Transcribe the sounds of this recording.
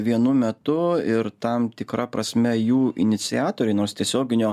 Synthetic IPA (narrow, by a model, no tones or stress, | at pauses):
ʋʲiɛnʊmʲɛt̪ʊɪɾt̪ɐmt̪ʲɪkɾɐpɾɐsʲmʲɛjuːʔɪ̰nʲɪt̪sʲɪɑːt̪oːɾʲɛɪnoːɾst̪ʲiɛsʲoːɡʲɪnʲoː